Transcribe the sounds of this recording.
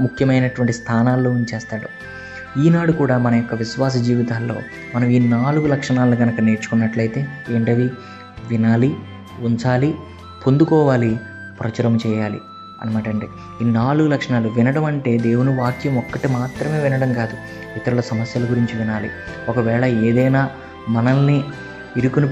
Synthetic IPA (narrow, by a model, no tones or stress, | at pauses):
mukʰjɐmɐjnɐʈʋɐɳʈist̪ʰaːnaːlːoːint͡ʃɛːst̪aːɽu | iːnaːɽukuːɽaːmɐnɐjɔkːɐʋiʃʋaːs̬ɐd͡ʒiːʋit̪aːlːo̞̰ː | mɐnɐmiːnaːluɡulɐkʂɐɳaːlːuɡɐnɐkɐne̞ːɾt͡ʃu̥kunːɐʈlɐjt̪e̞ːʋiɳʈɐʋi | ʋinaːli | uɲt͡ʃaːli | pond̪ukɔːʋaːli | pɾɐt͡ʃɐɾɐmt͡ʃɛːjaːlḭ | ɐ̰nɐmaːʈɐɳʈḛː | iːnaːluɡulɐkʂɐnaːluʋinɐɽɐmɐɳʈe̞ːd̪e̞ːwunuʋaːkjɐmɔkːɐʈimaːt̪ɾɐme̞ːʋinɐɽɐmkaːd̪u | it̪ɐɾulɐsɐmɐsjɐlɐɡuɾiɲt͡ʃiʋinaːlḭ | ɔkɐʋɛːɭɐeːd̪ɐjnaː | mɐnɐnːi | iɾukuni